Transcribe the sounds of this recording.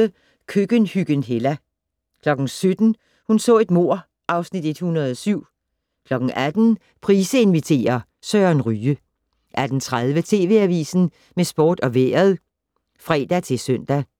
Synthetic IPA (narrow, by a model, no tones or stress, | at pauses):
ə | kʰøɡ̥ənhyɡ̥ənɦelæ | kʰlɒ̽ɡ̥n̩sød̥n̩ | hunsɔ̰̽ːe̝d̥mo̝ɐ̰ | ʔɑ̈ʊsnid̥e̝d̥hunɐð̞ˠɒsyʊ̰ | kʰlɒ̽ɡ̥n̩ʔæd̥n̩ | pʰʁiːsəe̝nʋit͡sʰe̝̰ːɐ | sœnʁyːə | ʔæd̥n̩t͡sʰʁað̞ˠʋət͡sʰe̝ːʋe̝æʋḭːsn̩ | mesb̥o̝̰ːd̥ɒ̽ʋḛɐðˠ | fʁɛ̰ːd̥æt͡sʰe̝lsœn̰d̥æ